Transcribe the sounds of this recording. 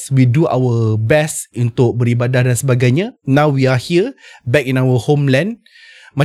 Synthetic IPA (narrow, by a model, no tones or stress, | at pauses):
swidua̰wəbɛsunt̪ʊk̚bəɾibadahdansəbaɡajɲãnãwwiahiəbɛkĩnawəhomlɛ̃n | mã